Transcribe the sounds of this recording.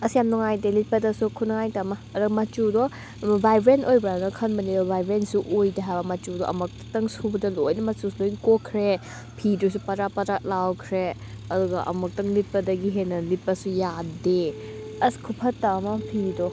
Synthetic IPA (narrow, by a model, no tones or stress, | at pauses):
ɐsijamnuŋajdelit̚pɐdɐsukʰunɐŋajtɐmɐːɾɐmɐt͡ʃudɔ | bajbɾentojbɾanɐkʰɐnbɐnidɔbʱajbɾensuʔojdɐɦajbɐmɐt͡ʃudɔʔɐ̰mɐk̚tɐŋsubɐdɐlojnɐmɐt͡ʃusulojnkokʰɾe | pʰidus̬upɐɾapɐɾalawkʰɾe | ɐduɡɐʔɐ̰mɐk̚tɐŋlit̚pɐdɐɡiɦenɐlit̚pɐsujade | ɐskʰupʰɐtːamɐpʰidɔ